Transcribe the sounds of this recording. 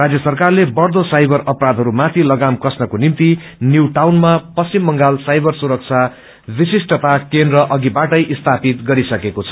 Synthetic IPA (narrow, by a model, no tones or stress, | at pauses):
rad͡zjʌsʌrkarlebʌrd̪osajbʱʌɾʌprad̪ʱɦʌɾumat̪ʰilʌɡamkʌsnʌkonimt̪i | njuwʈawnmapʌst͡simːʌŋɡalsajbʌrsuɾʌk̚t͡sʰa | bisisʈʌt̪akend̪rʌʔʌɡibaʈʌjʔist̪ʰapit̪ɡʌɾisʌkekot͡sʰʌ̥